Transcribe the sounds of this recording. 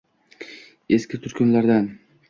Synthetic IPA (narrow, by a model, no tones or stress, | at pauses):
e̞skʲɪt̪ʰʊɾkʲʊnlaɾd̪an